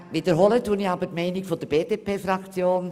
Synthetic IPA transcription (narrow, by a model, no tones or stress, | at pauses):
ʋiːd̥əɾɦolətuːəniɑbətmɛɪnɪkfod̥əb̥eːd̥eːpeːfrɑkt͡sjoːn